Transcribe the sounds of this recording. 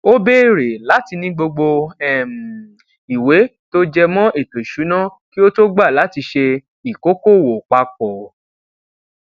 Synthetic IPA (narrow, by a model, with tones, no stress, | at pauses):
o˦be˦ɾe˨la˨˦ti˧nĩ˧˦ɡ͡bo˧ɡ͡bo˧ɛ˦˨m˨ | i˨we˨˦ | to˦d͡ʒɛ˧mɔ̃˦ʔe˦˨to˨ʃu˨˦nã˦ki˦o˦to˦ɡ͡ba˦˨la˨˦ti˧ʃe˧ | i˨ko˦ko˦˨wo˨k͡pa˧k̚ɔ˨